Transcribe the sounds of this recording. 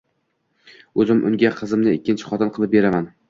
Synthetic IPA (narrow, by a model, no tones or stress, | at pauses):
ɵzɪmʔʊ̰ŋɡʲaqʰɨzɪmnɪɪkʲːɪnt͡ʃʰɪ̥χɒt̪ɪnqʰɨlˠɪp̚beɾaman